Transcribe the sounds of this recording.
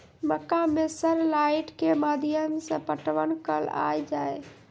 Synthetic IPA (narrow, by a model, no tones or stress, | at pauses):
məkamesəɾlaɪʈkemad̪ijəmsə̃pəʈʋənkəla̰jd͡ʒaj